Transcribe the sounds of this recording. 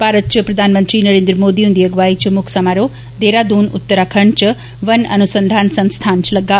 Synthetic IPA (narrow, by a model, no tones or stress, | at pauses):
baːɾət̪̚t͡ʃəpɾɐd̪ʱaːnmənt̪ɾinəɾeːnd̪ɾəmoːd̪iund̪iəɡʋaːit͡ʃmʊkʰsɐmaɾo | d̪eɾad̪uːnʊ̰t̪ːəɾakʰɐɳt͡ʃ | ʋɐnɐ̰nusənd̪ʱaːnsɐ̃nst̪ʰaːnt͡ʃlɐɡːa